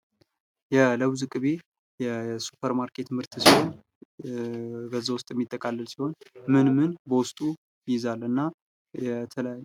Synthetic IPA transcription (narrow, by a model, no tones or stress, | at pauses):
jɛləβzɨkʼɨβe | jɛsu̥pʰəɾmaɾkʰe̞t̪mɨɾt̪ʰɨsiho̞n | bəzːawʊst̪ʼjɛmːit̪ʼːəkʼalːəlsiho̞nmɨnmɨnbəwʊst̪ʼu | jjɪzalːɨnːa | jɛt̪ʰəl